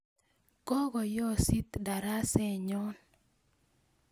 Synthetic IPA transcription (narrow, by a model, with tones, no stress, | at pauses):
kɔ˦ɡɔ˨jɔ˦si˦t̪da˨ɾa˦sɛ˦˨ɲɔ˦n